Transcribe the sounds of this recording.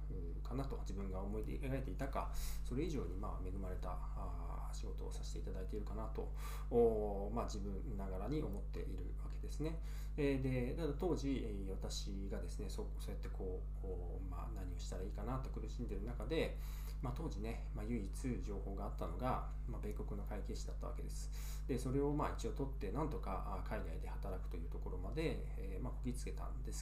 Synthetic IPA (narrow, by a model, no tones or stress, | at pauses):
ɯ̟ | kanat̪o̞d͡ʑibɯ̟̃ŋɡaomoi | eɾaɾe̞t̪e̞it̪aka̰so̞ɾe̞iʑo̞ːɲ̟imaːme̞ɡɯ̟maɾe̞t̪a̰ | a | ɕiɡo̞t̪o̞ːsaɕi̥t̪e̞it̪ad̪ait̪e̞iɾɯ̟kanat̪o̞̰ | oː | mad͡ʑibɯ̟̃nonaɡaɾaɲ̟iʔo̞mo̞t̪ːe̞̰ʔḭɾɯ̟̰βake̞d̪e̞sɨne̞ | ed̪e̞t̪ad̪at̪o̞ːʑi | βat̪aɕi | ɡad̪e̞sɨne̞soso̞ːjat̪ːe̞kʰo̞ː | ma̰naɲ̟io̞ɕi̥t̪aɾaiːkanat̪o̞kɯ̟ɾɯ̟ɕĩnd̪e̞ɾɯ̟nakad̪e̞ | mat̪o̞ːʑine̞ | majɯ̟it͡sɨʑo̞ːho̞ːɡaːt̪ːano̞ɡa | mabe̞ko̞kɯ̟no̞kaike̞ːɕid̪at̪ːaβa̰ke̞d̪e̞sɨ̥ | d̪e̞so̞ɾe̞o̞mait͡ɕio̞ːt̪o̞t̪ːe̞nãnt̪o̞ka̰ʔ | kʰaid̪aid̪e̞hat̪aɾakɯ̟̥t̪o̞jɯ̟ːt̪o̞ko̞ɾo̞mad̪e̞ | mako̞ɡʲit͡sɨ̥ke̞t̪ã̰nd̪e̞sɨ̥